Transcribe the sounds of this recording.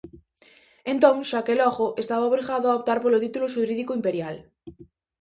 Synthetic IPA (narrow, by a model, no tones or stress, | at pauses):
ẽnt̪õŋʃakelɔxoʔest̪aβaoβɾiɣaðoaop̚t̪aɾpolot̪it̪uloʃuɾiðikoimpeɾjal